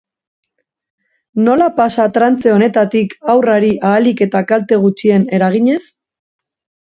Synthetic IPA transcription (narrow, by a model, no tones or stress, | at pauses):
no̞lapasat̪ɾant͡se̞o̞ne̞t̪at̪ikawraɾiʔaːlike̞t̪akalt̪e̞ɣ̞ut͡ʃie̞ne̞ɾaɣ̞iɲe̞s